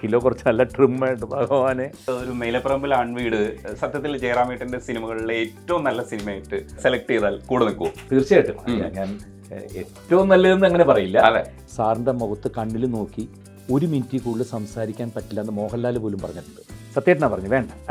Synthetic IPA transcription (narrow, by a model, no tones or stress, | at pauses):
kilo̞ːkurɐt͡ɕːɨnɐlːɐʈrimːeːjʈːɨbʱaːɡɐʋaːneɐoɾumejlɐprɐmbilaːɳʋiːɽɨsɐt̪jɐt̪ːild͡ʑejraːmɐjiʈːindesinimɐɣɐɭiːeeːtːɐʋumnɐlːɐsinimɐːjiʈːɨse̞lɐk̚ʈiðaːlkuːɽɐnikːuot̪iːrt͡ɕjaːjiʈːɨɲa̰ːnɲaːn | etːɐʋumnɐlːɐenːɨɐŋːɐne̞pɐrɐjilːɐɐðḛ | saːrnd̪ɐmːoɣɐt̪ːɨkɐɳːilno̞ːkːi | o̞ɾumintːikuːɭːɨsɐmsaːɾikʲːaːnpɐʈːilːɐːnːɨmo̞ːɦɐlːaːlɐpo̞ːlumpɐrɐɲːɐʈːuɳɖɨsɐt̪jeːʈːɐnaːpːɐrɐɲːuʋe̞ːɳɖɐm